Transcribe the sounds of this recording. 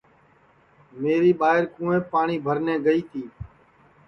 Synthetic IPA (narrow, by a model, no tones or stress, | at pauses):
meːɾiːɓaːɦɪɾkũːẽːpaːɳiːbʱəɾnẽːɡəiːt̪ʰiː